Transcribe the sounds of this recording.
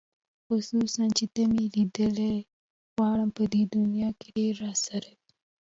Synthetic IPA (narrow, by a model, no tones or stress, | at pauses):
xʊsusant͡ʃet̪amilid̪əle | ɣwɑɽəmpəd̪ed̪ʊnjɑːkeɖeɾːɑsaɾabi̥